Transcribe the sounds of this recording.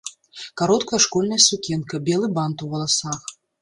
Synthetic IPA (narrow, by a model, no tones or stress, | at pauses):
kaɾɔt̪kɐjɐʂkɔlʲnɐjɐsukʲɛnkɐbʲɛlˠɨbant̪uvɐlˠasax